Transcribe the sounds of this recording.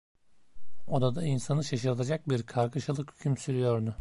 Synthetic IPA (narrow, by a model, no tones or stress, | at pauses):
od̪ad̪ainsanɯʃaʃɯɾt̪ʰad͡ʒak̚biɾkʰaɾkʰɯʃalˠɯkhy̥cʲʰymsyɾyjo̞ɾd̪ʊ